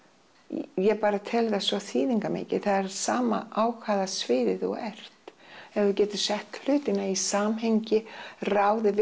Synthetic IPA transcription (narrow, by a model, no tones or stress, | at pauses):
jɛpaːɾat̪ʰɛlðasvɔθiːðiŋkamḛːcɪ̰ðθaðɛɾɾsaːma̰ʔaːwkʰvaːðasvɪːðɪðɔ̰ɣɛr̥t̪ɛvvɪcɛːt̪ʏsɛht̪l̥ʏːt̪ɪnaisaːmɦejɲcɪraːwðɪv